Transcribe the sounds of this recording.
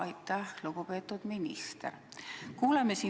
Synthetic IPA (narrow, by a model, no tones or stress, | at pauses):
ɑjt̪ːˑæhluɡupe̞ːt̪ːˑud̪̥minḭst̪ḛrkuːlemːesi